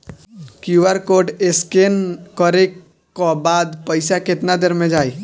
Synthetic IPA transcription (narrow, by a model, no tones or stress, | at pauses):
kjuʋəɾkoːɖeskenkəɾe | kobaːd̪pəɪsakɪt̪nad̪eɾmẽd͡ʒaːi